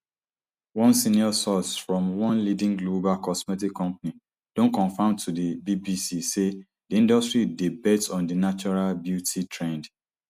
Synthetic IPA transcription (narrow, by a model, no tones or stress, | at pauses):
wɔ̃nsĩniɔsɔsfɹɔ̃mwɔ̃nlidĩŋɡlobalkɔsmɛtikʰːɔ̃mpani | d̥õnkɔ̃nfãntʰudebibisise | diĩndɔstɹidibɛtsɔ̃ndinat͡ʃɔɹalbjutʰitʰɹɛ̃nd